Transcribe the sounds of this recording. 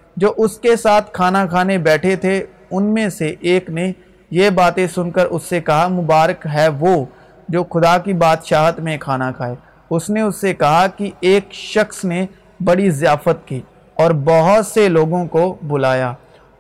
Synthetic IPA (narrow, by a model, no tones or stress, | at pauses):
d͡ʒoːʔʊskesaːt̪ʰkʰaːnakʰaːnebɛːʈʰet̪ʰe | ʊnmẽseʔːkne | jebaːt̪ẽsʊnkəɾʊsːekɐɦamʊbaːɾəkɦɛʋo | d͡ʒoːxʊd̪aːkibaːt̪ʃaːɦt̪mẽkʰaːnakʰaːeː | ʊsneʊsːekɐɦakieːkʃɐxsne | bɐɽizɪjaːfət̪̚kiː | ɔːɾbɔɦʊt̪seloːɡõkobʊlaːjaː